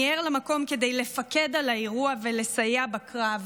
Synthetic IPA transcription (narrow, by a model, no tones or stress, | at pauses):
eʁlamako̞mke̞dejle̞fake̞dalaeʁuavele̞sajebakʁav